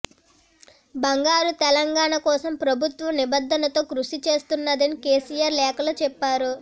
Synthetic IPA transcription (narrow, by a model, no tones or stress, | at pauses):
bɐŋɡaːɾut̪ɛlɐŋɡaːɳakɔːsɐmpɾɐbʱut̪ʋɐmnibɐd̪ʱːɐnɐt̪o̞ːkɾuʂit͡ʃe̞ːst̪unːɐd̪ɐnikeːsijaːɾlɛːkɐloːt͡ʃɛpːaːɾu